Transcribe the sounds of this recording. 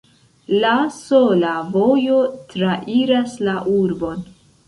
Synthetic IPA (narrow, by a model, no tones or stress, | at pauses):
lasolavo̞jotɾaʔiɾaslaʔuɾbo̞n